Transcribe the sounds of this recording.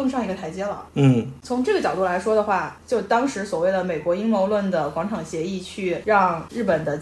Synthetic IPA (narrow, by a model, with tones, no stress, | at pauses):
ɤ˥˧ŋʂɑ˥˩ŋi˧˥ɡə˧t̪ʰa˧˥ɪt͡ɕjɛ˥lə˨n̩˥˩t͡sʰʊ˧˥ŋʈ͡ʂɤ˥˩ɡə˩t͡ɕjɑ˨˩ʊt̪u˥˩la˧˥ɪʂwɔ˥d̪ə˨xwa˥˩t͡ɕjo˥˩ʊt̪ɑ˥ŋʂɻ̩˧˥swɔ˨˩we˥˩ɪd̪ə˩me˨˩ɪkwɔ˧˥i˥ŋmo˧˥ʊlwə˥˩nd̪ə˩kwɑ˧˥ŋʈ͡ʂʰɑ˨˩ŋɕjɛ˧˥i˥˧t͡ɕʰy˥˧˩ɻɑ˥˧ŋɻ̩˥˩pə˨˩nd̪ə˦